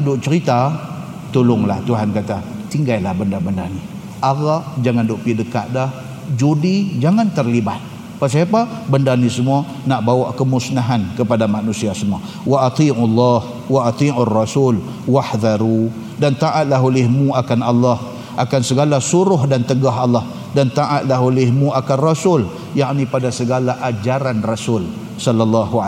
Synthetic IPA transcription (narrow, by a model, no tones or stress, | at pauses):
dʊʔt͡ʃəɾit̪a | t̪ulʊŋlaht̪uɦankat̪a | t̪iŋɡajlahbəndabəndani | ʔaɣaʔd͡ʒaŋandʊʔpidəkaʔdah | d͡ʒudid͡ʒaŋant̪ərlibat̪̚ | paʔs̬iapabəndanisəmua | naʔbawaʔkəmʊsnaɦankəpadamanusiasəmua | waʔːt̪ˤiːʔlːɑh | waʔːt̪ˤiːʔurːɑsul | wahd̪aɾu | dant̪aʔat̪̚laɦolɪhmũakanalːah | ʔakansəɡalasuɾʊɦdant̪əɡaɦalːah | dant̪aʔat̪̚laɦolɪhmũakanrasʊl | jaʔnipadasəɡalaʔad͡ʒaɾanrasʊl | sɔlːalːɑɦua